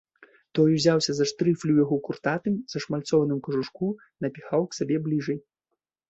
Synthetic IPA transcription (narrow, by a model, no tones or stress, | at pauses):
t̪ɔjuzʲawsʲɐzɐʂt̪ɾɨflʲiwjaɣɔkurt̪at̪ɨmzɐʂmalʲt̪sɔvɐnɨmkɐʐuʂku | nɐpʲixawksʲabʲɛblʲiʐɐj